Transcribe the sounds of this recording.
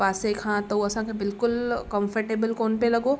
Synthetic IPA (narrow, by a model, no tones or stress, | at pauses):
paːsekʰãːt̪ɐwɐsãkʰebɪlkʊlkə̃mfʰəɾʈeːbəlkoːnpelɐɡoː